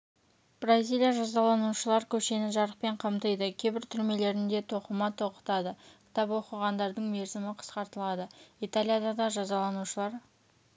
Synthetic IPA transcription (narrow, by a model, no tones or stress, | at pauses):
b̥razʲijlʲijaʒɑzɑlˠɑnuʃəlˠɑɾkʲʰɵʃe̞nɪʒɑɾəq̚pe̞ɴqʰɑmt̪əjd̪əkʲʰejbɪɾt̪ʰʏɾme̞le̞ɾɪnd̪e̞t̪ʰo̞qəmɑt̪ʰo̞qə̥t̪ɑd̪əkʲʰɪ̥t̪ɑpwo̞qəʁɑnd̪ɑɾd̪əɴme̞ɾzɪmɪqʰə̥sqɑɾt̪əlˠɑd̪əijt̪alʲˠijad̪ɑd̪ɑʒɑzɑlˠɑnuʃəlˠɑɾ